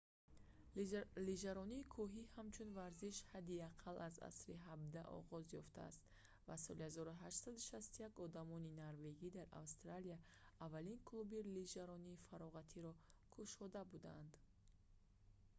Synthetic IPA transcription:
liʒaɾɔniːkʰɔɦihamt͡ʃʰunvaɾziʃhad̪iaqʰalʔaza̰sɾiɦabd̪aʔɔ̰ʁɔzjɔft̪ʰa̰ːst̪ | vasɔlihazɔɾuɦaʃt̪sad̪uʃast̪ujakɔd̪amɔninaɾve̞ɡid̪aɾa̰vst̪ɾalijaː | vːalinkʰlubiliʒaɾɔniːfaɾɔʁat̪ʰiɾɔkʰuʃɔd̪abud̪and̪

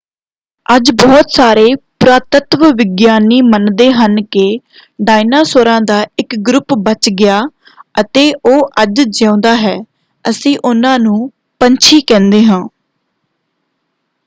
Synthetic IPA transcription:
əd͡ʒbɔːt̪saːɾeːpɾaːt̪ət̪ʋʋɪɡjaːniːmənd̪eːɦənkɪː | ɖaːɪnaːsoːɾãːd̪aːɪkɡɾʊpbət͡ʃɡɪjaː | ət̪eːʔoːʔəd͡ʒd͡ʒãːnd̪aːɦɛː | əsĩːʔʊnãːnũː | pəɲt͡ʃʰiːkɛ̃ːnd̪eːɦãː

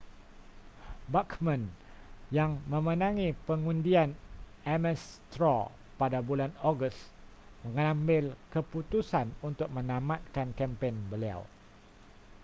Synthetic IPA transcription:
bakmə̃n | jaŋmə̃mə̃nãŋĩpəŋũndian | ɛmɛst̪ɾɔ | padabulanoɡus | mə̃ŋãmbɪlkəput̪usanunt̪ʊk̚mə̃nãmat̪̚kankɛmpenbəlia̰w

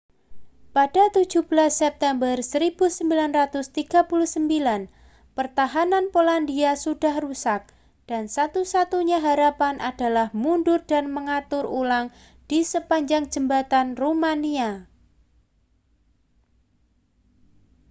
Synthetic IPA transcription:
padat̪u̥d͡ʒ̥ṳb̥əlasːɛp̚t̪ɛmbərsəɾib̥usəmbilanrat̪ʊst̪iɡ̥a̤puluhsəmbilan | pərt̪aɦananpolandiasudahrusak̚ | d̥ansat̪usat̪uɲaɦaɾapanʔad̥alahmundʊrdanməŋat̪ʊrulaŋ | d̥isəpaɲd͡ʒaŋd͡ʒ̥əmbat̪anromania

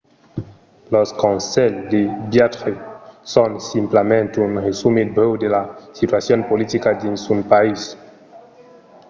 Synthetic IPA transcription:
loskɔnsɛld̪ebjat̪χesonsimplamẽnt̪unʁesumebewd̪elasit̪wasjonpolit̪ikad̪ensunpais

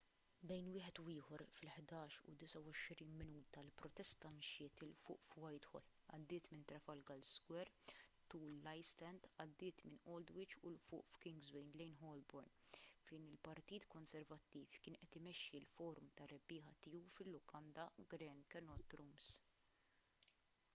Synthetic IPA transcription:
bɛjnwɪːħɛt̪ʊwɪːħɔɾfɪlħd̪ɐːʃʊ̰d̪ɪsɐwɔʃɾiːnmɪnuːt̪ɐlpɾɔt̪ɛst̪ːɐmʃɪːt̪ɪlfʊ̰ːʔfwɐjt̪hɔ̰l | ɐ̰d̪ːɪːt̪mɪnt̪ɾɐfɐlɡɐlsɡwɛɾt̪uːlːɐjst̪ɛnd̪ɐd̪ːɪːt̪mɪnɔld̪wɪt͡ʃʊ̰lfʊ̰ːʔfkɪŋɡzwɛnɡlɛjnɦɔlbɔɾnfɛjnɪlpɐɾt̪iːt̪kɔnsɛɾvɐt̪ːiːfkɪːnʔɛt̪ɪmɛʃːilfɔːɾʊmt̪ɐɾɛbːɪːɦɐt̪iːuwfɪlːʊkʰɐnd̪ɐɡɾɛnkɛnɔt̪ɾums

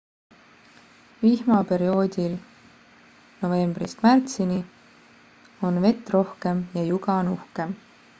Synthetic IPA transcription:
vihmɑpe̞ɾio̞ːd̪ʲil | no̞ve̞mb̥rist̪mært̪sini | o̞nve̞t̪ːˑro̞hke̞mjɑjuɡɑnuhke̞m

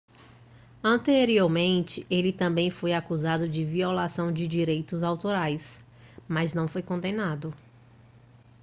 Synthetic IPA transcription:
ɐ̃nt̪eɾioɾmẽnt͡ʃɪʔelɪt̪ɐ̃bẽj̃fojakuzad̪ʊd͡ʒɪviolasɐ̃w̃d͡ʒɪd͡ʒiɾejt̪ʊzawt̪oɾajs | maznɐ̃w̃fojkõnd̪enad̪ʊ

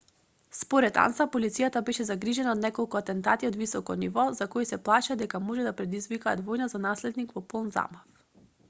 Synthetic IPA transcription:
spɔɾɛt̪a̰nsapolit̪sijat̪abɛʃɛzaɡɾiʒɛnaod̪nɛkɔlˠkuat̪ɛnt̪at̪iod̪visɔkɔnivɔzakɔisɛplˠaʃad̪ɛkamɔʒɛd̪apɾɛd̪izvikaːt̪vɔjnazanaslɛd̪nikvɔpolˠnza̰maf

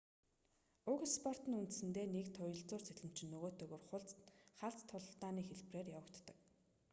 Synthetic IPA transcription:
ʊɣspʰɔr̥t̪ə̆nunt̪̆sɘ̆nt̪eːnekt̪ʰʊjə̆ɮt͡sʊːrt͡sæɮɘ̆m̥t͡ɕɪ̆nːɵɣoːt̪ɵːɣoːrχʊɮt͡sχaɮt͡st̪ʰːʊɮ̆ɬt̪aːniːxeɮpreːrjawə̆kt̪ːə̆k̚

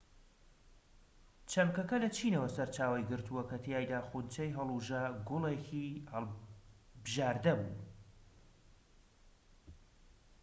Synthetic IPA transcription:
t͡ʃʰɐmkɐkɐlɐt͡ʃʰiːnɐwɐsɐɾt͡ʃaːwɐjɡɨɾt̪ʰuwɐkɐt̪ʰijaːjd̪aːxunt͡ʃɐjɦɐlˠuʒaɡʊlˠekihɐlˠ | bɨʒaːɾd̪ɐbṵː

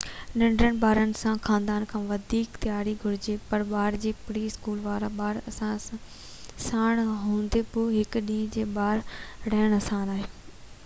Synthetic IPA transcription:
ɗɪ̃ɳɖɾəñɪ̆baːɾənɪ̆sãxãːnd̪aːnkʰãːʋɐd̪ʱiːkt̪jaːɾiɡʱʊɾɪd͡ʑepɐɾɓaːɾd͡ʑeːpɪɽiɪskuːlʋaːɾaɓaːɾɐsãã | saːɽ̃ɦõːn̆d̪epoːɦɪkɗĩːd͡ʑeːɓaːɾɽɛːɪɽ̃ɐsãːnaːɦe

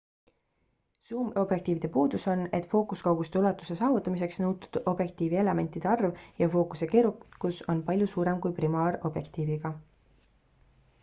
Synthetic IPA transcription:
suːmo̞b̥jek̚t̪iːvid̪̥e̞puːd̪̥uso̞ne̞t̪fo̞ːkuskɑwɡ̥ust̪e̞ulɑt̪ːˑuse̞sɑːvut̪ːˑɑmis̬e̞ksnɤwt̪u̥d̪̥o̞bje̞k̚t̪iːvie̞le̞me̞nt̪ˑid̪̥e̞ɑrvjɑfo̞ːkuse̞ke̞ːɾukkːˑuso̞npɑlʲjusuːɾe̞mkujprimɑːɾo̞b̥je̞kt̪iːviɡ̥ɑ

